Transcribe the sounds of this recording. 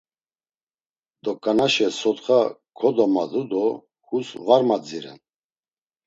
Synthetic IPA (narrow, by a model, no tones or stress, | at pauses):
d̪ɔkʼanaʃɛsɔt̪χakʰɔd̪ɔmad̪ud̪ɔ | husvaɾmad͡ziɾɛ̰n